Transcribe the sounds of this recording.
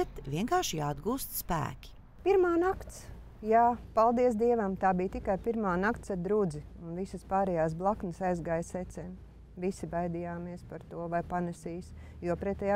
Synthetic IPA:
ɛt̪vʲiɛŋkaːʃjaːd̪ɡuːst̪spæ̰ːkʲi̥ | piɾmaːnakt̪s | jaːpalˠd̪iɛs̬d̪iɛvamt̪aːbiːt̪ikajpiɾmaːnakt̪sad̪ɾud̪ziunvisəspaːɾɛjaːs̬blˠaknəsajzɡaːjsɛt̪sɛm | visibajd̪ijaːmiɛspaɾt̪uɔvajpanɛsiːs | juɔpɾɛt̪ːɛja

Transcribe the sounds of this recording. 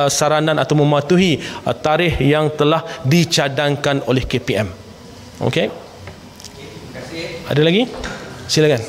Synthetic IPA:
saɾanãnat̪awmə̃mat̪uɦit̪aɾɪhjaŋt̪əlahdit͡ʃadaŋkanolɛhkepeɛm | ʔo̰ke | adalaɡisilakan

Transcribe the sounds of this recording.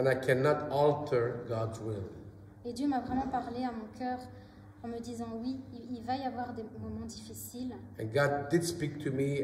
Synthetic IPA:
ɛ̃najkʰɛnɑtɔlˠtʰə˞ɡɑdzwɪlˠ | ed̪jømavʁɛmɑ̃paʁleamɔ̃kʰʲœʁ | ɑ̃məd̪izɑ̃wiːlvajavwaʁd̪emɔmɑ̃d̪ifisil | ɛ̃nɡɑd̚dɪdspik̚t̪ʰumi

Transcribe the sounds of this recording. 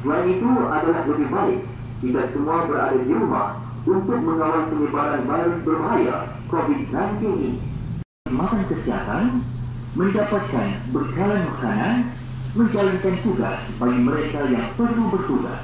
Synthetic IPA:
səlainit̪uadalahləbɪhbaɪk̚ | t̪idaʔ̚səmũabəɾa̰dadiɾuma̰h | unt̪ʊk̚mə̃ŋawalipəɲəbaɾanbajɾʊsbərbaɦaja̰ | kovit̚ɡrank̪iŋʔḭnḭ | mat̪ankəsiɦa̰t̪an | mə̃ndapat̪̚kanbərkalanmakanan | mə̃ɲd͡ʒalankant̪uɡa̰sbaɡiməɾekajaŋpərlubərt̪uɡa̰

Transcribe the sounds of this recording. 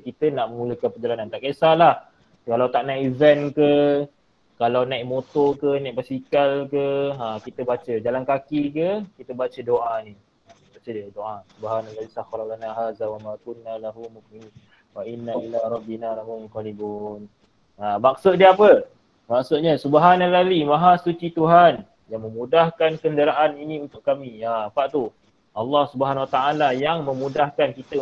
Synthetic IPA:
kit̪ənaʔmə̃ŋuləkanpəd͡ʒalanant̪aʔkesalah | kalawt̪aʔnajʔivɛnkə | kalawnajʔmot̪okənãjʔbasikalkəakit̪əbat͡ʃəd͡ʒalankakikəkit̪əbat͡ʃədoʔani | abat͡ʃədiədoʔasubaɦanaɡalisaxɾɔɡanaɦaːzawamakunːalaɦumuʔminin | waʔinːaʔilaɾˤɑbːinaɾamumqalibuːn | amak̚sʊt̪̚diəapə | maksʊt̪̚ɲəsubəɦanalalimãɦasut͡ʃit̪uɦan | jaŋmə̃mudahkankəndəɾaʔaniniunt̪ʊkkːamiapaʔt̪u | ʔɑlːɑhsubəɦanwat̪aʔalajaŋmə̃mudahkankit̪ə

